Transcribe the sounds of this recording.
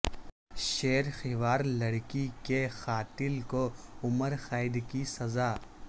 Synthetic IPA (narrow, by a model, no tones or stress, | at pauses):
ʃeːɾxɪʋaːɾlɐɽkikexaːt̪ɪlkoʊməɾxaːɪd̪kisɐzaː